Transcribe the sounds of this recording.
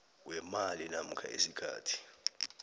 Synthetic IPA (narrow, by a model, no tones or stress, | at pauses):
wɛmalinam̩kʰa̰ʔesikʰa̰ːtʰi̥